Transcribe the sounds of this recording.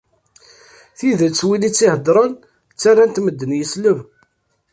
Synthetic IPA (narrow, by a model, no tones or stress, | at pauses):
θiðət͡sːwilit͡sːihəd̪ɾˤən | t͡sːarːant̪məd̪ːənjəsləv